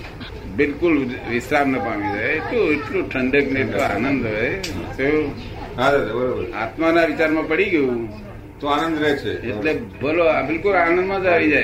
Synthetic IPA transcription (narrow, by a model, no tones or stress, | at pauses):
bɪlkʊlʋɪsɾaɾnəpaʋĩd͡ʒaet̪oeʈloʈʰəɳɖeknetoa̰nənd̪ɦɔet̪eo | ad͡ʒabəɾobəɾa̰t̪manaʋɪt͡ʃaɾmãpəɽiɡəjũ | t̪oanə̃nd̪ɾɛɦt͡ʃʰeeʈlebəlobɪlkʊlanə̃nd̪mãd͡ʒaʋid͡ʒaj